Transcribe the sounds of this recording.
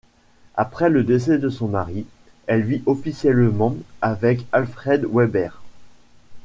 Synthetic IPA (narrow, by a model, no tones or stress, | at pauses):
apχɛləd̪es̬ɛd̪əsɔ̃maʁi | ɛlviʔɔfisjɛlmɑ̃avɛkalfχɛd̪wɛbɛʁ